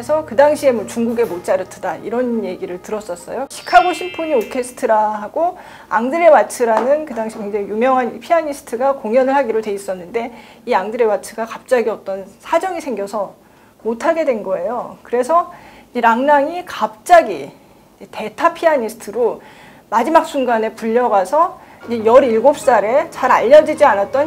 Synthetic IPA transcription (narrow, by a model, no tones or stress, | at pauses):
ɾesʰʌkɯdaŋɕʰie̞mʌt͡ɕuŋɡuɡe̞mot͡ɕ͈aɾɯtʰɯdaḭɾʌnje̞ɡiɾɯɭtɯɾʌs͈ʌs͈ʌ̰jokʰi̥kʰaɡoɕʰimpʰoɲiokʰe̞sʰɯ̥tʰɯɾaɦaɡ̥o | aŋdɯɾe̞wat͡ɕʰɯɾanɯnkɯdaŋɕʰid͡ʑe̞jumjʌŋɦanipʰiaɲisʰɯ̥tʰɯɡakoŋjʌnɯɭhaɡiɾodwe̞is͈ʌnːɯnde̞iaŋdɯɾe̞wat͡ɕʰɯɡakap̚t͡ɕ͈aɡiʌt͈ʌnsʰad͡ʑʌŋisʰe̞ŋɡjʌsʰʌ | motʰaɡe̞dwe̞nɡʌe̞jokɯɾe̞sʰʌid͡ʑeɾaŋnaŋikap̚t͡ɕ͈aɡi | d͡ʑete̞tʰapʰiaɲisʰɯ̥tʰɯɾo | mad͡ʑimak̚s͈ʰuŋɡane̞puʎːʌɡasʰʌ | id͡ʑe̞jʌɾiɭɡop̚s͈aɾe̞t͡ɕaɾaʎːʌd͡ʑid͡ʑianat̚t͈ʌn